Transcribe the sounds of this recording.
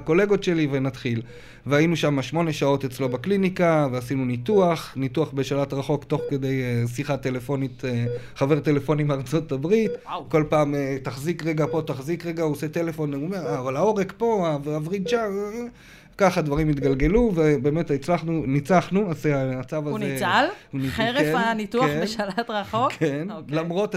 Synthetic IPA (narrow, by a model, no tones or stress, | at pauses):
ako̞le̞ɡotʃe̞livenat̪χil | veainuʃamaʃmo̞ne̞ʃao̞t̪et͡slo̞baklinikaveasinunit̪uaχnit̪uaχbe̞ʃalat̪ʁaχo̞kt̪o̞χke̞d̪e̞jesiχat̪e̞le̞fo̞nit̪ | χave̞ʁt̪e̞le̞fo̞nimaʁt͡so̞t̪abʁit̪ko̞lpaːmetaχzikʁeɡapo̞t̪aχzikʁeɡaosetele̞fo̞neumeavalao̞ʁekpo̞avavʁidt͡ʃa | kaχad̪vaʁimit̪̬ɡalɡe̞luvebe̞ːmetit͡slaχnunit͡saχnuaseamat͡savauzniealunieʁefanituaχeʃalatʁaχokenlamʁo̞t